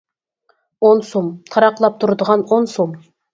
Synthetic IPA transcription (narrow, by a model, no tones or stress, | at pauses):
onsomt̪ʰɑɾɑqlˠɑp̚t̪ʰuɾd̪əʁɑnonsom